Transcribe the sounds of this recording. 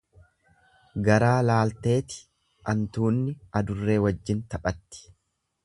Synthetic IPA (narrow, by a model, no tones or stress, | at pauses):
ɡɐɾaːlaːlt̪e̞ːt̪ɪ̥ | ʔɐnt̪uːnːɪʔɐd̪ʊrːe̞ːwɐd͡ʒːɪnt̪ɐpʼɐt̪ːɪ̥